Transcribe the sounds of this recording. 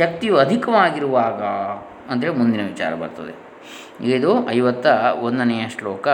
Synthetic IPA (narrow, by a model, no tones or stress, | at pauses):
ʃɐk̚t̪ijuɐd̪ʱikɐʋaːɡiɾuʋaːɡɐ | ɐnd̪ɐɾemund̪inɐʋit͡ʃa̰ːɾɐbɐ̰ɾt̪ɐ̰d̪ḛ | iɡɐid̪uʔɐjʋɐt̪ːɐond̪ɐnɛjɐʂlɔːkɐ